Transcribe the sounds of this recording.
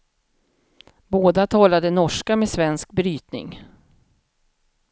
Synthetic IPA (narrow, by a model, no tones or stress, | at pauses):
boːd̪at̪ʰɑːlad̪ənɔʂkameːsvɛnsk̚bɾyːt̪nɪ̰ŋ